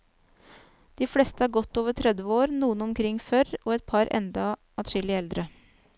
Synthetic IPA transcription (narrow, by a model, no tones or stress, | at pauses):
d̪̥iːflɛst̪əɑːɾɡɔt̪ːoːʋəʈʰɾɛd̪ʋəoːɾnuːənɔmkʰɾɪŋːfœɾɔɛt̪̚pʰɑɾɛ̰nd̪ɑ | ɑt̪ʂɪlɪɛld̪ɾə